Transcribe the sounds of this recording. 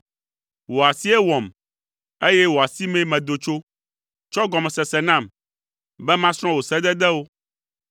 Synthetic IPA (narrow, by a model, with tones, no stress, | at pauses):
wo˨a˨si˦ɛ˦wɔ˨m | e˦jɛ˦wo˨a˨si˦mɛ̃˦mɛ̃˨d̪o˨t͡ʃo˦ | t͡ʃɔ˦ɡɔ˨mɛ˨sɛ˨sɛ˨nã˦˨m | bɛ˦mã˦sɾ̃ɔ̃˦wo˨sɛ˦d̪ɛ˦d̪ɛ˦wo˦